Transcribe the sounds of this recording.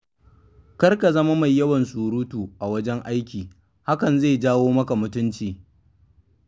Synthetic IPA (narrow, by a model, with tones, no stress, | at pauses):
kɐ˦rka˨zɐ˦ma˦ma˨jːɐ˦wɐ˨nsʼuː˨ɾuː˦tuː˨ʔa˨wɐ˦d͡ʒɛ˦ŋʔa˦jkʲiː˨ | ha˦kɐ˨nza˦˨d͡ʒaː˦woː˦mɐ˦ka˨mʊ˦tʊ˦nt͡ʃiː˨